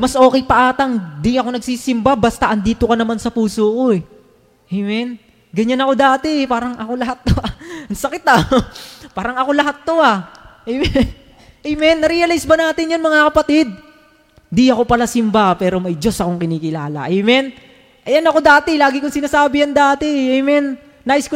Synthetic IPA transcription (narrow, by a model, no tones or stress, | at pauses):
mɐsʔo̞ːkɛjpɐʔaːt̪ɐŋd̪ɪŋɐko̞nɐɡ̚sisɪmbabast̪ɐʔɐnd̪iːt̪okɐnɐmansɐpuːsoːko̞ɛ | ʔejmɛn | ɡɐɲanɐko̞d̪aːt̪ɛɛpaːɾɐŋʔɐko̞lɐɦat̪ːoaɐŋsɐkɪt̪a | paːɾɐŋɐko̞lɐɦat̪̚ːo̞aʔejmɛn | ʔɐjmɛnːɐɾijɐlajsbɐnaːt̪ɪnjanmɐŋakɐpɐt̪ɪd̪̚ | d̪iɐko̞pɐlasɪmbapɛːɾo̞mɐjd͡ʒo̞sɐko̞ŋkɪniːkɪlaːlɐ̰ʔɐjmɛn | ʔɐjɐnɐko̞d̪aːt̪ɛlaːɡɪkʊŋsɪnaːsaːbɪjɐŋd̪aːt̪ɛʔejmɛnː | aːʔɪsko